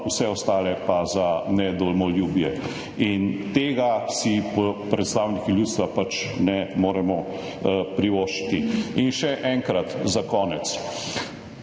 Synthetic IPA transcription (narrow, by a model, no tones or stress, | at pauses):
usɛɔst̪aːlɛpazanɛd̪ɔlmɔljuːbjɛ | int̪eːɡasipɔpɾɛt̪st̪aːwnikiljuːt̪st̪ʋapat͡ʃnɛmoːɾɛmɔ | pɾiʋoːʃi̥t̪iinʃɛʔɛŋkɾat̪zakɔːnɛt̪s